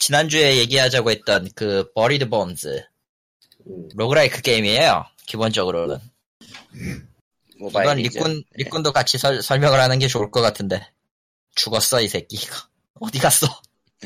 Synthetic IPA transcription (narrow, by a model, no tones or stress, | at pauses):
t͡ɕinand͡ʑue̞je̞ɡiɦad͡ʑaɡoɦe̞t̚t͈ʌnkɯpʌɾidɯbʌnsɯ̰ | ɾoɡɯɾaik͈ʰɯk͈eimiɦe̞jo̰ | kibond͡ʑʌɡɯɾonɯ̰n | ɡʌnɾik͈unɾik͈undok͈at͡ɕʰisʰʌsʰʌɭmjʌŋɯɭhanɯnɡe̞t͡ɕouɭk͈ʌk͈atʰɯnde̞ | t͡ɕuɡʌs͈ʌisʰe̞k͈iɡḁ | ʌdiɡas͈ʌ